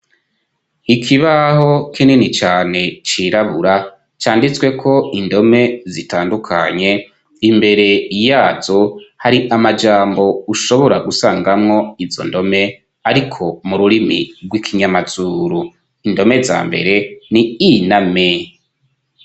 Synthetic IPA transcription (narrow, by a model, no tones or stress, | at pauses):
ikʰiβaho̞kininit͡ʃaːne̞t͡ʃiɾaβuɾa | t͡ʃaːndit͡swe̞kʰo̞indo̞me̞zitaːndukʰa̰ɲe̞ | imbe̞ɾe̞ijaːzo̞haɾiʔamad͡ʒaːmbo̞uʃo̞βo̞ɾaɡusaːŋɡamŋo̞izo̞̰ndo̞me̞ | aɾikʰo̞muɾuɾimḭɾɡwikʰiɲamazuːɾu | indo̞me̞za̰ːmbe̞̰ɾe̞niiname